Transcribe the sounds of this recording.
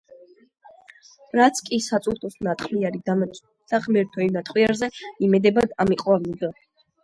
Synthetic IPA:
ɾat̪sʰkʼisat̪sʼut̪ʼusnat̪ʰχʰliaɾid̪am | d̪̥aʁmɛɾt̪ʰɔivnat̪ʰχwiaɾzɛimɛd̪ɛbad̪amiqʼwavniɡ̪a

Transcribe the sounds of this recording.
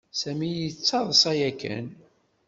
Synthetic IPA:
sæmijət͡sːɑðˤəsæjækːæ̰n

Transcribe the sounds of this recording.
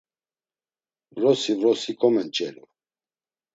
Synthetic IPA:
vɾɔsivɾɔsikʼɔmɛnt͡ʃʼɛɾu

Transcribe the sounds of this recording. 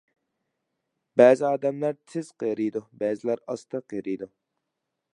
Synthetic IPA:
bæːzɪɑːd̪ɛmlæɾt̪ʰɪz̥qeɾid̪ubɛːzɪlæɾɑst̪ʰɨqeɾijd̪u

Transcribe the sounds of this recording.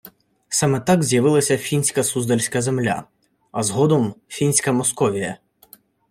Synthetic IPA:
sɑmɛt̪ɑɡzʲjɐʋɪlˠɐsʲɐfʲinʲsʲkɐsuzd̪ɐlʲsʲkɐzemlʲa̰ | ɐzɦɔd̪ɔmfʲinʲsʲkɐmɔskɔʋʲijɐ̰

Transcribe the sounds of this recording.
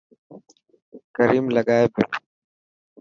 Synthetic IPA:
kəɾiːmləɠaːeːbɪ

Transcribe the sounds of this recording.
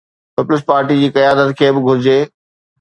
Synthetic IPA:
pɪpʊlɪs̬paːɾʈid͡ʑiːkɐjaːd̪ət̪kʰeːbɪɡʱʊɾɪd͡ʑeː

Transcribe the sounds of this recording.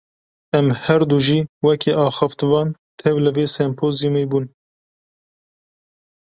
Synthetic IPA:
ɛmhɛɾd̪uːʒiːwɛkʰeʔɑːxɑft̪ɨvɑːn | t̪ʰɛwlɨveːsɛmpʰoːzjumeːbuːn

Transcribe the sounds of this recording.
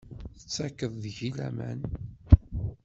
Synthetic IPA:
θət͡sːækːəðˤðʝilæ̰mæ̰n

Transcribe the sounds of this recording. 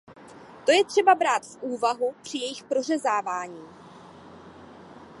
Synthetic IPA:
t̪o̞jɛt̪r̝̥ɛbabɾaːt̪fʔuːvaɦupr̝̥ɪjɛjɪxpɾo̞rɛzaːvaːɲiː

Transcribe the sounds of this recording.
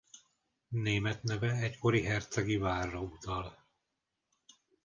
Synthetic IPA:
neːmɛt̪nɛvɛɛcko̞ɾiɦɛrt̪sɛɡivaːrːɒut̪ɒl

